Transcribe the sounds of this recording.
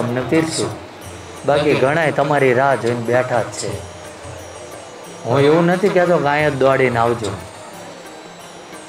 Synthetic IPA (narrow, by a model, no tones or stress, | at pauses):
əmnəpiɾsʰu | bakiɡʱəɽ̃ajt̪əmaɾiɾad͡ʒʱojnbɛʈʰat͡ʃʰe | ɦũeʋũnət̪ʰikɛt̪okãjət̪̚d̪oaɽinaʋd͡ʒũ